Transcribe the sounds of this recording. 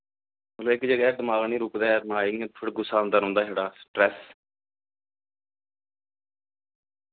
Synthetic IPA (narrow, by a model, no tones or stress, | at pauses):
mət̪lʋɪkd͡ʒəɡɛːd̪əmaːlniːɾʊkd̪aːɛɾmaːiŋət̪pʰɪɽɡʊsaːnd̪aːɾõːnd̪aːɦeːɽaːsʈɾɛːs